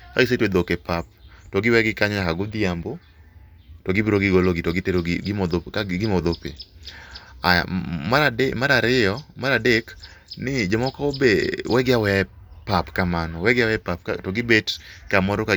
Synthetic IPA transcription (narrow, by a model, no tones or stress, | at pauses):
kaɡɪs̬etwed̪okepap̚tɔɡɪwɛɡɪkaɲnakaɡʊd̪ɪambo | tɔɡɪbiɾoɡɪɡoloɡɪtɔɡɪteɾomɔdoaɡɪmɔd̪opḛ | aja̰maaemaɾaɾɪɔmaɾadeknɪd͡ʒomɔkaobewɛɡɪawɛpapkamanɔwɛɡɪawɛɛpap̚ka̰tɔɡɪbetkamɔɾɔka